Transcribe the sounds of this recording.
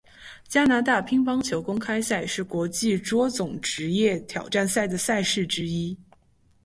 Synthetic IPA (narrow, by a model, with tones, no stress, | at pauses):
t͡ɕja˥na˧˥t̪a˥˩pʰi˥ŋpɑ˥ŋt͡ɕʰjo˧˥ʊkʊ˥ŋkʰa˥ɪsa˥˩ɪʂɻ̩˥˩kwɔ˧˥t͡ɕi˥˩ʈ͡ʂwɔ˥t͡sʊ˨˩˦ŋʈ͡ʂɻ̩˧˥jɛ˥˩t̪ʰjɑ˨˩ʊʈ͡ʂa˥˧nsa˥˩ɪd̪ə˩sa˥˧ɪʂɻ̩˥˩ʈ͡ʂɻ̩˥i˥